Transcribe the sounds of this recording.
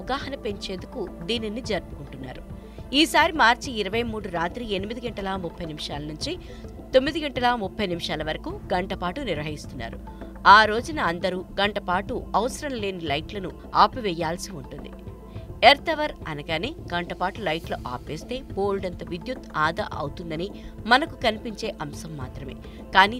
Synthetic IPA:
ɡaːɦɐnɐpe̞ɲt͡ʃe̞ːnd̪ukud̪iːninid͡ʒɐɾpu̥kuɳʈunːa̰ːɾu | iːsaːɾimaːɾt͡ʃiːɾɐʋɐjmuːɽuɾaːt̪ɾienimid̪iɡɐɳʈɐlamupʰːɐjnimiʂaːlɐnuɲt͡ʃi | t̪o̞mːid̪iɡɐɳʈɐlamupʰːɐjnimiʂaːlɐʋɐɾɐkuɡɐɳʈɐpaːʈuniɾʋɐɦist̪unːa̰ːɾu | aːɾo̞ːd͡ʒɐnɐːnd̪ɐɾuːɡɐɳʈɐpaːʈuɐʋɐsɐɾɐmle̞ːnilɐjʈlɐnu | aːpʋɛjaːlsiuɳʈund̪ḭ | eɾt̪ɐʋɐɾɐ̰nɐɡaːneːɡɐɳʈɐpaːʈulɐjʈlɐ̰ʔa̰ːpʋeːst̪e̞ːpoːlɖɐnt̪oʋid̪jut̪aːd̪ɐ̰ʔɐ̰wut̪und̪ɐnimɐnɐkukɐnipiɲt͡ʃe̞ːʔɐmsɐmːa̰ːt̪ɾɐme̞̰ː | kaːniː

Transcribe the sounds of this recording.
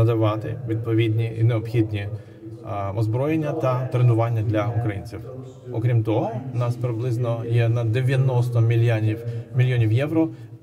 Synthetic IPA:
ɐd̪ɐʋɑt̪ɪ̰ʋʲid̪̚pɔʋʲid̪ʲnʲiʔḭneɔbxʲid̪ʲnʲi | ɔzbɾɔjenʲːɐt̪ɐt̪ɾenʊʋɑnʲːɐd̪lʲɐʊkɾɐjḭnʲt͡sʲiw | ɔkɾʲimt̪ɔɦɔʊnɑspɾɪblˠɪznɔjɛnɐd̪eʋʲjɐnɔst̪ɔmʲ | mʲilʲjɔnʲiwjɛʋɾɔ

